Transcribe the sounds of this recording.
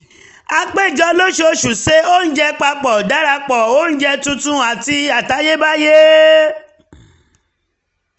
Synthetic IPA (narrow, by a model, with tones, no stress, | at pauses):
a˧k͡pe˦˨d͡ʒɔ˧˦lo˦ʃo˧ʃu˨se˦o˦n̩˦d͡ʒɛ˧k͡pa˧k͡pɔ˨da˨˦ɾa˧k͡pɔ˨o˦n̩˦d͡ʒɛ˧tũ˧tũ˦a˨ti˧a˨ta˨˦je˦ba˦je˦